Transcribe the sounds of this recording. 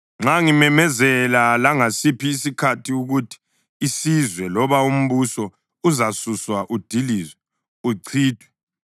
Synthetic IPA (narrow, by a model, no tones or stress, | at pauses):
ŋ͡ǁaŋimɛmɛzɛlalaŋasipʰiːsikʰatʰiuɣutʰi̥ː | sizwɛlɔβaum̩βusɔ | uzasuswaʔud̥ʱilizwɛ | uǀʰiːd̥ʱwɛ